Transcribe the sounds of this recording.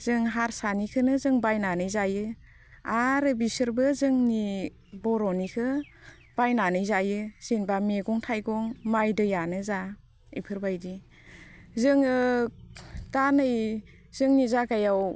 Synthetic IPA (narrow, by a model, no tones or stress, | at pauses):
z̥ɯŋɦaɾsanikʰɯnɯzɯŋbajnanɯjzajɯ | aɾɯbisɯɾbɯzɯŋni | bɔɾɔnikʰɯ | b̥ajnanɯjzajɯz̥inbameɡɔŋtʰajɡɔŋmajdɯjanɯza | ḭjpʰɯɾbajdi | zɯŋɯ | tanɯj | z̥ɯŋnizaɡajaw